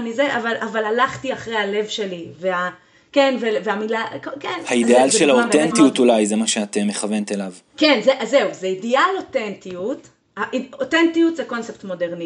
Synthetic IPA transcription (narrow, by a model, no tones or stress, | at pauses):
nizeʔavalavalalaχtiaχʁejhale̞vʃe̞livea | ke̞nveveamilakokenhaid̪ealʃʃelhaotent̪ijut̪ulajzemaʃeat̪emːeχavent̪elav | kenzeʔaze̞uzeidialo̞tentiut | haʔiotentijut̪zeko̞nseptmo̞de̞ʁni